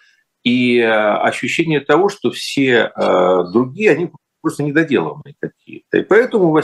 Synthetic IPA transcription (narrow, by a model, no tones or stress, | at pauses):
iɐ̰ɕːʉɕːenʲɪjət̪ɐvo̞ʂt̪o̞fsʲeəd̪ɾʊɡʲijəɐnʲi | pɾost̪ənʲɪd̪ɐdʲe̞lˠə̰nɨ̰ɪkɐkʲḭjət̪ə̰ɪ̰pɐɛt̪əmʊvɐ